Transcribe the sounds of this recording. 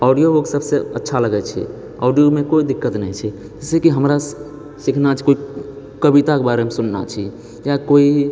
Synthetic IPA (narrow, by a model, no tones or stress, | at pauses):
ɔɖijooksəbseə̰tːʃʰaləɡɛt͡ʃʰḭ | ɔ̰ɖijomekoid̪ikːət̪nə̰jt͡ʃʰi | d͡ʒɛsekiɦəmɾa | sikʰnat͡ʃʰi̥koi | kəbit̪akebaɾemesunna̰t͡ʃʰi | jakoi